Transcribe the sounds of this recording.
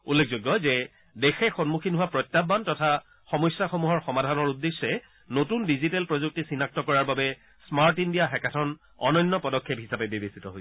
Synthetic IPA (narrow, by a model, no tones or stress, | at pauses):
ulːek̚ʰzoɡjɔzɛ | dexɛxɔnmukʰinɦʊwapɹɔtːabantɔtʰa | xɔmɔjsjaxomuɦɔɹxɔmadʱanɔɹudːesːɛ | notundizitɛlpɹozuk̚tisinak̚tɔkɔɹaɹbabɛ | smaɹtindiaɦɛkatʰɔn | ɔ̰nɔjnːɔpɔdɔkʰːep̚ɦisapɛbebesitɔɦoj